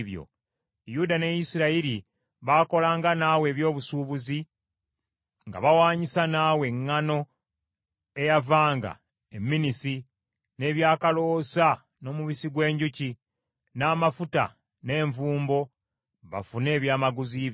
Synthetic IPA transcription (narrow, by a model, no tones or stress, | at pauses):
βjo̰ | judane̞jisiɾaiɾi | βako̞laːŋɡanawe̞ːβjo̞ːβusuːβuzi | ŋɡa̰βawaːɲisanaːwe̞ŋːano̞ | e̞javaːŋɡa̰ | emːinisi | ne̞ːβjaːkalo̞sa | no̞ːmuβisiɡwe̞ːɲɟuci | naːmafuta̰ | ne̞ːɱvuːmbo̞ | βa̰fune̞ːβjaːmaɡuzi